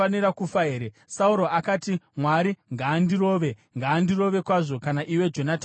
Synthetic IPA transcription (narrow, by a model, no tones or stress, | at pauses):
aniɾakufaeɾe | sauɾo̞ʔakaːtimwaɾiŋɡaːndiro̞ːʋe̞ŋɡaːndiro̞ʋe̞kwaʐo̞kanaʔiwe̞d͡ʒo̞nata